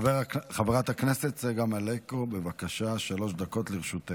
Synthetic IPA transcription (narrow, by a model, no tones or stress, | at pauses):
veχaveʁat̪hakneset̪zeɡamalekobevakaʃaʃalo̞ʃd̪ako̞t̪leʁʃut̪e